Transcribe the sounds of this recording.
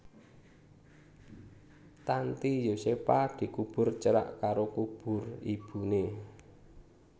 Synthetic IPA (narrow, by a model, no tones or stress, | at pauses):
t̪ant̪ijosepad̪̥i̤kub̥ʊ̤rt͡ʃəɾa̰ʔkaɾokub̥ʊ̤rib̥ṳne